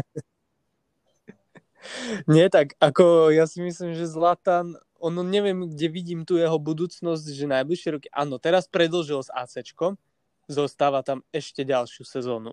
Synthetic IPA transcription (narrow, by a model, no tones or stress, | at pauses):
ɲɪɛt̪akakɔjasimislimʒɛzlat̪an | ɔnɔɲɛʋɪɛmɡɟɛʋiɟiːmt̪uːjɛɦɔbud̪uːt͡snɔz̬ɟʒɛnajbliʃɪɛɾɔkiʔa̰ːnɔt̪ɛɾaspɾɛd̪l̩ʒilza̰ːt͡sɛt͡ʃkɔm | zɔst̪aːʋat̪amɛʃcɛɟalʃɪusɛzɔːnṵ